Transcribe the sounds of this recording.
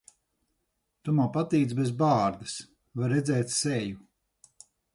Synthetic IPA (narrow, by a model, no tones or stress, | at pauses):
t̪umawpat̪iːt̪sbezbaːɾd̪ɨs | vaɾːɛd̪zɛːt̪sɛju